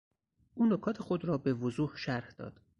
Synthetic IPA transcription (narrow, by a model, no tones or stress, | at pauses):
ʔuːnokʰɒːt̪ʰexod̪ɾɒːbevozuːhʃæɾhd̪̥ɒ̰ːd̪̥